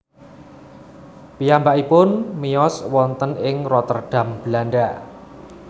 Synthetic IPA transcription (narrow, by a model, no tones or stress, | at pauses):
pijambaʔipʊnmiɔswɔnt̪ənɪŋrɔt̪ərɖ̥ä̤mb̥əlaɳɖaʔ